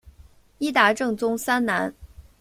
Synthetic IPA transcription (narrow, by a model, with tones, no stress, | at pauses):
i˥t̪a˧˥ʈ͡ʂɤ˥˩ŋt͡sʊ˥ŋsa˥nna˧˥n